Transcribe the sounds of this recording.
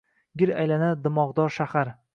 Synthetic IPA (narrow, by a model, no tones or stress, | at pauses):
ɡʲɪɾa̰jlanad̪ɪmɒʁd̪ɒɾʃahaɾ